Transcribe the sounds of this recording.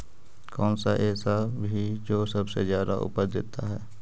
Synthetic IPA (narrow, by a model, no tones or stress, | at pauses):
kɔːnsaʔɛːsabʱid͡ʒoːsɐbsezjaːd̪aʔʊ̰pəɾd̪ḛːt̪aɦɛː